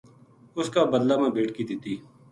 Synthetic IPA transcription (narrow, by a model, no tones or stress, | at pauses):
ʊskaːbəd̪laːmãːbeːʈkiːd̪ɪt̪iː